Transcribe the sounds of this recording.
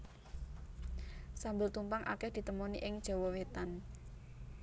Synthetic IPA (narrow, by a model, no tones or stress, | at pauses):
sambʊlt̪umpaŋʔa̰kɛhd̪̥i̤t̪əmoniʔɪŋd̥ʒ̥ɔ̤wɔwet̪an